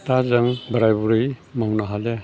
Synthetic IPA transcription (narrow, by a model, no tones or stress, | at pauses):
tazaŋbaɾajbuɾɯjmawnaɦale